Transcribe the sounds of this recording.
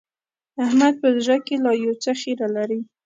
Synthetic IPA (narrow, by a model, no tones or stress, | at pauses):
ahmad̪̚pəzʒakelɑjowt͡saxiɾalaɾi